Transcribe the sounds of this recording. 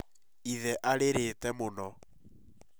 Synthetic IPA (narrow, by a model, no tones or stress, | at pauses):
iðɛʔaɾeɾetɛmonɔ